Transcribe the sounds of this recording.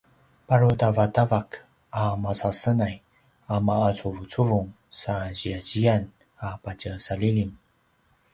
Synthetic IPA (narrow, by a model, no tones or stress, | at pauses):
paɾutavatavak | amasasənaj | amaat͡suvut͡suvuŋ | saʑiaʑian | apacəsalilin